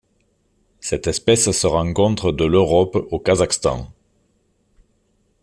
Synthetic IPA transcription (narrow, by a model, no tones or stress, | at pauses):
sɛt̪ɛspɛssəʁɑ̃ŋkɔ̃t̪χəd̪əløʁɔpokazakst̪ɑ̰̃